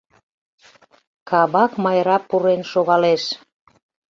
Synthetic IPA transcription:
kɑβɑkmɑjɾɑpːuɾenʃoɣɑleʃ

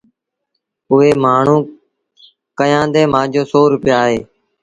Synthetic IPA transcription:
ʊɦeːmaːɳ̤ũː | kəjãːd̪eːmãːd͡ʒʱoːsoːɾʊpɪjaːɦeː

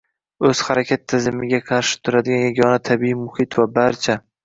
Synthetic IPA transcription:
ɵz̥haɾakʲʰat̪ʰːɪzɪmɪɡʲaqʰɑɾʃɪ̥t̪ʰʊɾad̪ɪɡʲanjaɡʲɒnat̪ʰabiimʊhɪt̪vabaɾt͡ʃʰa

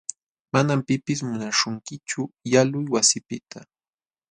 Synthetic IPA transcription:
manampɪpɪs̬mʊnaʃʊŋkɪt͡ʃʊjalʊjwasɪpɪt̪ʰa

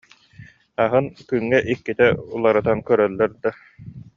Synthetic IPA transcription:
aɦɯnkyŋːɛʔikːit̪ɛulˠaɾɯt̪ankœɾœlːɛɾd̪a

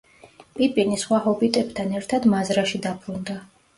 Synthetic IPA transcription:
pʼipʼinisχwahɔbit̪ʼɛbt̪ʰanɛɾt̪ʰad̪mazɾaʃid̪abɾund̪a

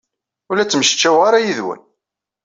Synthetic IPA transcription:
ʊlæt͡sːməʃə̥t͡ʃːæwaɾajiðwæ̰n

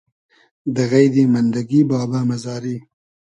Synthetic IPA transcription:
d̪əɣajd̪emand̪aɡibɑːbamazɑːɾi

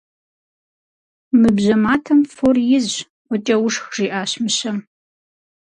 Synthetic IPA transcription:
mɨbʑɐmaːtʰɐmforjɪz | ʔʷɔt͡ʃʼɐwʊʂxʐiːʔaːɕmɨɕɐm

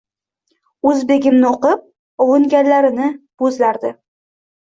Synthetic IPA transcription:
ɵzbe̞ɡʲɪmnɪoqɨp̚ | ɒwʊŋɡʲanlaɾɪnɪb̥ɵzlaɾd̪ɪ

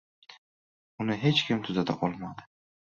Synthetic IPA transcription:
ʊnɪɦe̞t͡ʃkʲʰɪmt̪ʰʊzad̪a̰ʔɒlˠmad̪ɪ̥

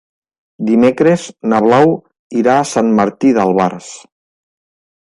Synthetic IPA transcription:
d̪imekɾeznaβlaw | iɾaːsanməɾt̪iðəlˠβaɾs

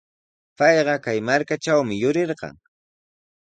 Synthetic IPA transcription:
pɑjɢɑkajmaɾkat͡ʃawmɪjʊɾɪɾɢɑ̰ŋ

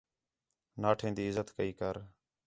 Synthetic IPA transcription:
naːʈʰẽːnd̪iːɪzət̪kəiːkəɾ

